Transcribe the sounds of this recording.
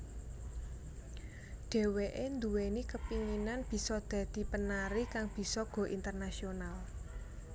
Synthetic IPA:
ɖ̥e̤weʔend̪uwenikəpiŋinanb̥i̤sɔd̪̥ä̤d̪̥i̤pənaɾikaŋb̥i̤sɔɡ̥ɔ̤ʔint̪ərnasional

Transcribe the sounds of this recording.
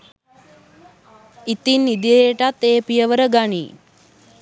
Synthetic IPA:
it̪inːid̪ijəjeʈat̪ːeːpijəʋəɾəɡaɳḭ

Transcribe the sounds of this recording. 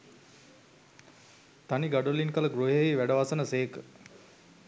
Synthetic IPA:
t̪aniɡaɖolinkələɡɾoɦeiʋæɖəʋasənəseːkə

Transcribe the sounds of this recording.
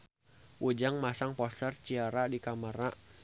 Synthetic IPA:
ʔud͡ʒaŋmasaŋpɔsərt͡ʃiaɾadikaməɾa

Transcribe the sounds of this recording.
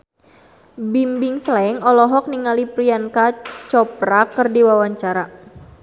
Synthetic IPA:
bimbiŋslaɛŋɔlɔɦɔk̚niŋalipɾiankat͡ʃɔpɾakɨrdiwawaɲt͡ʃaɾa

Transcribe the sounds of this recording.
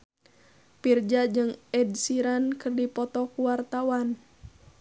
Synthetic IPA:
pird͡ʒad͡ʒɨŋɛdsiɾankərdipɔt̪ɔkuwart̪awan

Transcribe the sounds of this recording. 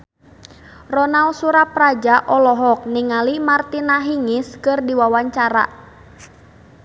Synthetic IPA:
rɔnalsuɾaprad͡ʒaʔɔlɔɦɔk̚niŋalimart̪inaɦiŋɪskɨrdiwawaɲt͡ʃaɾa̰

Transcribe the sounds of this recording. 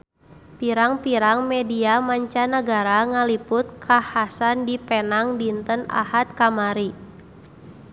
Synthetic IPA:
piɾaŋpiɾaŋmɛdiamaɲt͡ʃanaɡaɾaŋalipʊt̪̚kʰahasandipɛnaŋdint̪əna̰hat̪̚kamaɾi

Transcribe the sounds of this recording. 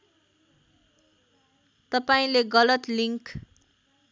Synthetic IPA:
t̪ʌpaĩleɡʌlʌt̪liŋk

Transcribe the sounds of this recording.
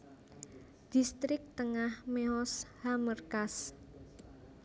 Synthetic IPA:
d̪̥ist̪ɾɪk̚t̪əŋahmeɔshamərkas

